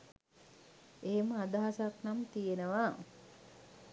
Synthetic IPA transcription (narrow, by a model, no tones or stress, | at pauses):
eɦeməad̪aɦasaknamt̪ijenəʋa